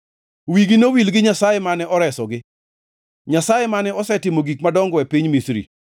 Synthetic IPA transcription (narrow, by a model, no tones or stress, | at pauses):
wiɡinowilɡɪɲasajemanɛʔɔɾɛsɔɡɪ | ɲasajemanɛɔsɛtɪmoɡikmadɔŋɡɔwɛpiɲmisɾḭ